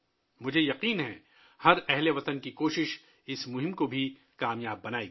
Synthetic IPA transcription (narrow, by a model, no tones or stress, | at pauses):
mʊd͡ʒʱejɐqiːnɦɛ̃ | hɐɾɛɦleʋɐt̪ənkikoːʃɪʃ | ɪsmʊɦɪ̃mkobʱi | kaːmjaːbːɐnaːe